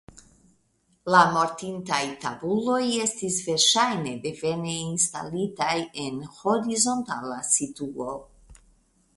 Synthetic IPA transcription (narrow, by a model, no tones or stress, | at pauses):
lamo̞ɾt̪int̪ajt̪abulo̞je̞st̪isve̞ɾʃajne̞d̪e̞ve̞neinst̪a̰litajenho̞ɾizo̞nt̪alasit̪uo